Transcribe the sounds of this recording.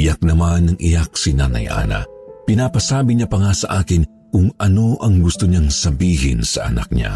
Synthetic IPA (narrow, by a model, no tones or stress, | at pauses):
ɪjak̚nɐmanːɐŋʔɪjak̚sinaːnɐ̰jʔa̰ːnɐ̰pɪnaːpɐsaːbɪɲapɐŋasɐʔaːkɪn | kʊŋʔɐno̞ʔɐŋɡʊst̪oɲaŋsɐbiːɦɪ̰nsɐʔɐ̰na̰k̚ɲa̰